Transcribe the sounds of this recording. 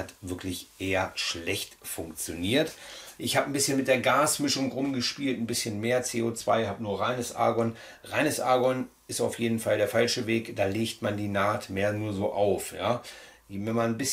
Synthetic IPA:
atv̥ɪɐklɪçʔeːɐʃlɛçtfʊŋkt͡sjoniːɐtʔɪçhaːbən̩bɪsçənmɪt̚d̥eːɐɡaːsmɪʃʊŋʁʊmɡəʃpiːltn̩bɪsçənmeːɐt͡seːoːt͡sv̥a̰ɪhaːbənuːɐʁaɪnəsʔa̰ːɡɔn | ʁaɪnəsʔaːɡɔn | ɪstaʊfjeːdn̩falɾeːɐfalʃəveːkd̥aːleːçtmandiːnaːtmeːɐnuːɐzoːʔaʊfjaːvɛnmannbɪs

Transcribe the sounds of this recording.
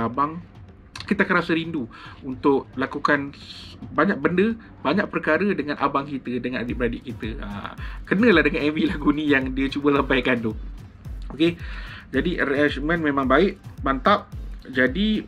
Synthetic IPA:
abaŋ | kit̪akəɾasəɾinduunt̪ʊʔ̚lakukanbaɲak̚bəndə | baɲaʔ̚pərkaɾədəŋãnʔa̰baŋkit̪ədəŋanabipɾadɪʔ̚kit̪əə̰kərnə̃lahdəŋanɛvilahɡunĩjaŋdiat͡ʃubəsampajkandʊ | oked͡ʒadiɾeasmə̃nmẽmãŋbaɪʔbant̪ap̚d͡ʒadi

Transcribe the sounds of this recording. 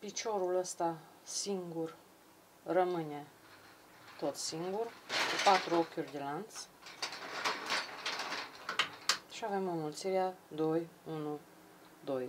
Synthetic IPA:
pit͡ʃo̞ɾuləst̪a | siŋɡur | rəmɨne̞ | t̪o̞t̪siŋɡurkupat̪ɾuokʲurʲd̪elant̪s | ʃiave̞munult̪siɾad̪o̞junu | d̪o̞j

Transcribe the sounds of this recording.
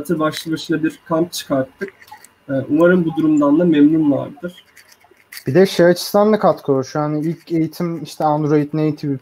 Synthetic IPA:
t̪ʰɯɾbaʃlˠɯbaʃɯnabiɾkʰamp̚t͡ʃʰɯ̥kʰaɾt̪ʰːɯk̚ | ɛːʔumaɾɯnbud̪uɾumd̪and̪ˠamɛmnunva̰ɾd̪ɯɾ̥ | b̥id̪ɛʃaɾat͡ʃʰɯ̥st̪ʰand̪akʰat̪kʰouɾʃhaniilʲcʰe̞jit̪ʰimiʃt̪ʰɛand̪ɾo̞it̪nejit̪ʰibi

